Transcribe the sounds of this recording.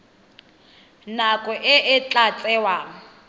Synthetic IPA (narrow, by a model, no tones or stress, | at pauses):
nakʼɔʔɪʔɪt͡ɬʼat͡sʼɛwa